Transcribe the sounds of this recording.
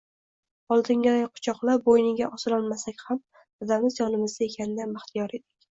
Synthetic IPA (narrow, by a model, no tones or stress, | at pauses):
ɒlˠd̪ɪŋɡʲad̪ajqʰʊ̥t͡ʃʰɒqlˠabojnɪɡʲaʔɒsɪɾɒlˠmasakʲham | ɒd̪amɪzjɒnɪmɪzd̪ae̞kʲʰanɪd̪anɪχt̪ʰijɒɾe̞d̪ɪkʲ